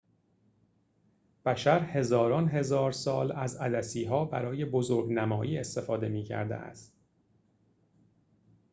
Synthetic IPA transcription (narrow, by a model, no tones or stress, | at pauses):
b̥æʃæɾhe̞zɒːɾɒːnɦe̞zɒːɾsɒːlæzæd̪æsiːɦɒːbæɾɒːje̞bozoːɾɡnæmɒːʔiːe̞st̪e̞fɒːd̪e̞miːcʰæ̰ɾd̪ḛʔæ̰st̪